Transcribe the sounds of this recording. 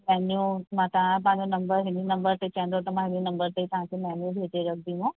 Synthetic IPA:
mɛːnjũmãt̪ɐʋãpãːɲd͡ʒõnɐmbəɾɦenjũnɐmbəɾt̪et͡ʃɛ̃ːnd̪ot̪ɐmãɦɪnjũnɐmbəɾt̪eit̪ɐɦãkemɛːnjũbʱeːʈeɾɐk̚ʰd̪ĩmõ

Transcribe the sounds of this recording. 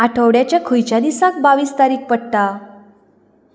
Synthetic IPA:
aʈʰəʋɽjat͡ɕjakʰujt͡ɕjad̪isak̚baʋiːst̪aɾiːk̚ʰpəɽʈ̪a

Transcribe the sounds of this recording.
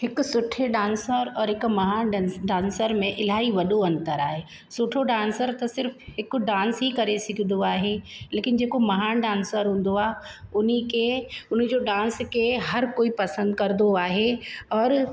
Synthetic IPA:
hɪksʊʈʰeɖãːnsəɾɔːɾɦɪkmɐɦaːnɖsɖãːnsəɾmẽʔɪl̤aːiʋɐɗoɐ̃nt̪əɾaːɦeː | sʊʈʰoɖãːnsəɾt̪ɐsɪɾfhɪkɖãːnsɦikɐɾesɪkʰɪd̪oaːɦeleːkɪnd͡ʑeːkomɐɦaːnɖãːnsəɾɦũːn̆d̪oaːɦʊnikeʊn̤̆d͡ʑoːɖãːnskeɦɐɾkoːipɐsə̃nd̪kɐɾɪd̪oaːɦeɔːɾ

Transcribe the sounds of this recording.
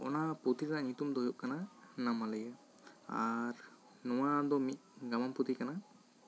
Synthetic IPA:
ɔ̰naput̪iɾnaʔɲut̪umd̪ɔɦujup̚kananamaləjə | a̰ɾ | nɔwad̪ɔmit̪̚ˀɡamamput̪ikana

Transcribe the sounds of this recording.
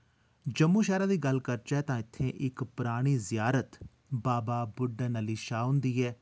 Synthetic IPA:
d͡ʒəmːũːʃɛːɾaːd̪iːɡəlkəɾt͡ʃɛːt̪ãːɪt̪ʰːẽːʔɪkpɾaːɽ̃iːzɪjaːɾət̪ | baːbaːbʊɖːaːnəliːʃaːʊ̃nd̪iːɦɛː

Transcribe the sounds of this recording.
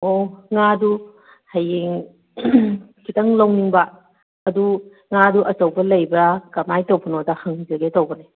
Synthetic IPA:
oŋadu | hɐjiŋ | kʰitɐŋlɐwniŋbɐː | du | ŋaduʔɐt͡ʃɐwbɐlɐjbɐkɐmajtowpɐnodɐhɐŋzɐɡetowbɐne

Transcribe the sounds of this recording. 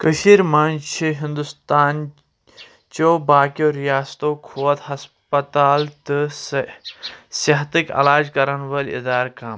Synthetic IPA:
kəʃiːɾmaːnt͡ʃʰiɦĩnd̪ust̪aːn | t͡ʃoːbaːkjoːɾijaːst̪oːkʰoːɐt̪ɦɐs | pɐt̪aːlt̪ɨ | sɐɦt̪ikɐ̰laːd͡ʒkɐɾɐnʋɐlḭd̪aːɾkaːm

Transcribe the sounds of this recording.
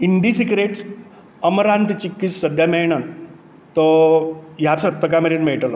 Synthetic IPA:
iɳɖisikɾeʈs | əməɾant̪it͡ɕikːit͡ssəd̪ʱjamejɳən | t̪ɔ | japsət̪ːəkameɾinmeɭʈəla

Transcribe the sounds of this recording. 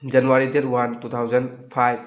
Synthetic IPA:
d͡ʒɐnuwaɾideɾwantut̪ʰawd͡ʒɐnpʰajb̚

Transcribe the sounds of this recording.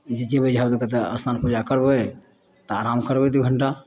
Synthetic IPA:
d͡ʒed͡ʒebəd͡ʒɦabd̪əkət̪eə̰smanpud͡ʒakəɾbə | t̪oaɾamkəɾbɛd̪uɡʱəɳʈa

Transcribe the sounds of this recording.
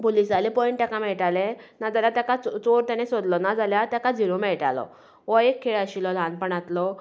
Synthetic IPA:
polisd͡zalepɔiɳʈt̪akamɛɭʈalẽnad͡zaljat̪akat͡st͡soɾt̪anẽsod̪lɔnad͡zaljat̪jakad͡ziɾomɛɭʈa̰lɔ̰ | ʋɔekʰːeɭaɕilɔlãnpəɳat̪lɔ

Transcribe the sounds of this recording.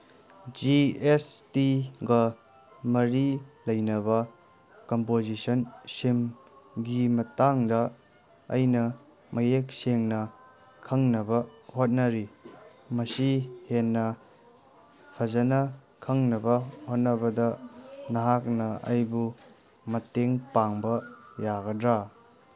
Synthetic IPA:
d͡ʒiestiɡɐ | mɐɾilɐjnɐβɐ | kompozisɐnsimɡimɐtaŋdɐ̰ː | jnɐ | mɐjek̚seŋnɐ | kʰɐŋnɐbɐhot̚nɐɾi | mɐsihenːɐ | pʰɐzɐnɐ | kʰɐŋnɐbɐhot̚nɐbɐdɐnɐɦak̚nɐɐ̰jbu | mɐteŋpaŋbɐjaɡɐdɾa

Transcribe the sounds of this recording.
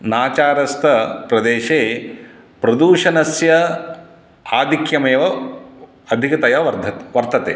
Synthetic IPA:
naːt͡ʃaːɾɐst̪ʰɐpɾɐd̪eːʃeː | pɾɐd̪uːʃɐnɐsjɐ | aːd̪ʱikjɐmeːʋɐ | ɐd̪ʱikɐt̪ɐjɐʋɐɾd̪ɐʋɐɾt̪ʰɐt̪ḛː

